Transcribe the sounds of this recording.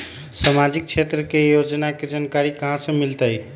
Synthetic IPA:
samad͡ʒik̚t͡ʃʰet̪ɾəkejod͡ʒnaked͡ʒankaɾikəɦãsə̃milt̪əj

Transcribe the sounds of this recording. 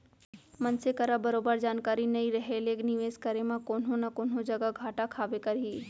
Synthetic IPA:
mɐnsekɐɾabɐɾoːbəɾd͡ʒaːnkaːɾinɐĩɾɐɦeleːknɪʋeːskɐɾemãkoːnɦõnɐkoːnɦõd͡ʒɐɡaɡʱaːʈakʰaːʋekɐɾɦiː

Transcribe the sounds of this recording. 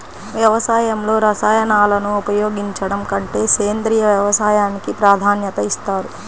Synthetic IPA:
ʋjɐʋɐsaːjɐmlo̞ːɾɐsaːjɐnaːlɐnuupɐjo̞ːɡiɲt͡ʃɐɽɐmkɐɳʈe̞ːke̞ːnd̪ɾiːjɐʋjɐʋɐsaːjaːnikipɾaːd̪ʱaːnjɐt̪ɐist̪aːɾu

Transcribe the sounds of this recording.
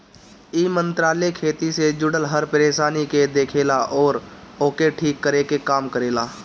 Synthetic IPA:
iːmə̃nt̪ɾaːlekʰeːt̪ised͡ʒʊɖəlɦəɾpəɾeːʃaːniked̪eːkʰeːlaʔɔːɾoːkeʈʰiːkːəɾekekaːmkəɾeːlaː

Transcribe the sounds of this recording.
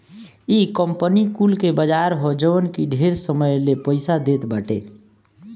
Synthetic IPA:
ikəmpənikulkebəd͡ʒaɾɦod͡ʒəwənkiɖʱeɾsəməjlepəɪsad̪et̪bəʈḛ

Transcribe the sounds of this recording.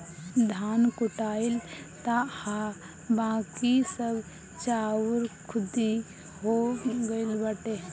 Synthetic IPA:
d̪ʱaːnkʊʈaːɪl | t̪aha | bãːkisəb | t͡ʃaːwɾkʰʊd̪i | ɦoɡəilbəʈe

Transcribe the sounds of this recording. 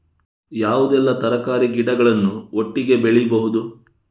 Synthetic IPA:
jaːʋud̪ɛlːɐt̪ɐɾɐkaːɾiɡiɽɐɡɐɭɐnːuoʈːiɡe̞beɭibɐɦud̪u

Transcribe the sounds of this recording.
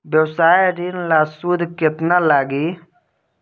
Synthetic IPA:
bjəwsaːjɾinlasud̪ʱkɪt̪nalaːɡi

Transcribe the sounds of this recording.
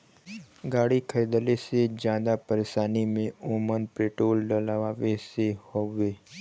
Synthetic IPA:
ɡaːɽikʰəjd̪əlesed͡ʒjãːd̪apəɾeːʃaːnimẽoːmənpeːʈoːlɖəlaʋaːʋesehoːʋeː

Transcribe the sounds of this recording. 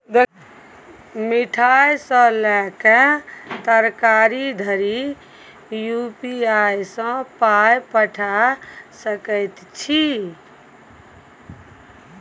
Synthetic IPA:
d̪ | miʈʰajsə̃lɛkẽt̪əɾkaɾid̪ʱəɾi | jupiajsə̃pajpəʈʰasəkəjt̪t͡ʃʰi

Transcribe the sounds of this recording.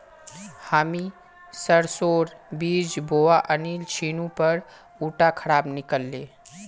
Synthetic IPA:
haːmi | səɾsoːɾbiːd͡ʒbʱoːaʔəniːlt͡ʃʰiːnũpəɾ | uːʈakʰəɾaːbnɪkəlːeː

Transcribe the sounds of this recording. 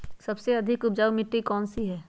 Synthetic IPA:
sɐbseɐd̪ʱɪkʊbd͡ʒaːwmɪʈːikɔːnsiɦɛː

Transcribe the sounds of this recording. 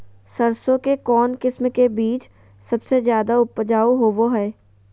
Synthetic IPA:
sɐɾsõkekɔːnkɪsmkebiːt͡ʃ | sɐbsezjaːd̪aʊpːəd͡ʒaːuɦoːʋoɦɛː

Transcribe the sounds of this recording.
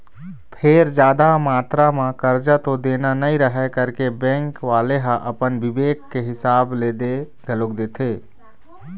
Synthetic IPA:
pʰeɾd͡ʒjaːd̪amaːt̪ɾamãkəɾd͡ʒat̪od̪eːnanəĩɾəɦɛkəɾkebɛ̃ːŋkʋaːleɦãʔəpənʋɪbeːkːeɦɪsaːbleːd̪e | ɡəlokd̪eːt̪ʰeː

